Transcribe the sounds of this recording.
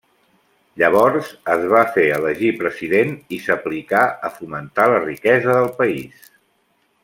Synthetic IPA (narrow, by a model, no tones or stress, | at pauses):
ʎəβ̞ɔɾzəzβ̞afeələʒipɾəziðenisəplikaəfumənt̪alərikɛzəðəlˠpəis